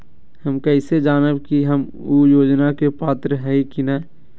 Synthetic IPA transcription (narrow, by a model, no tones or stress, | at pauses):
hɐmkɐɪsed͡ʒaːnəbkiɦəm | ujoːd͡ʒnakepaːt̪ɾəɦɛikinɛː